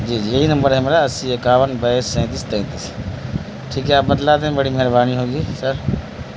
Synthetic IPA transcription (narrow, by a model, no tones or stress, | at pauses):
d͡ʒiːd͡ʒijeɦinɐmbəɾɦɛmɾaɐsiekaːʋənbəesːɛ̃ːt̪ist̪ɛ̃ːt̪is | ʈʰiːkɦɛaːp̚bɐd̪laːd̪ẽbəɽimɐɦɪɾbaːniɦoːɡiːsəɾ